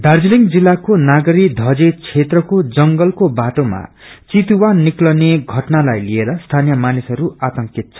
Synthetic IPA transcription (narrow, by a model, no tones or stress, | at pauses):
d̪ʱard͡ziliŋɡd͡zilːakonaɡʌɾid̪ʱʌd͡zet͡sʰet̪rʌkod͡zʌŋɡʌlkobaʈoma̰ | t͡sit̪uwanːiklʌneɡʱʌʈnalajlieɾʌst̪ʰanijʌmanisʌɾuat̪ʌŋkit̪̚t͡sʰʌ̥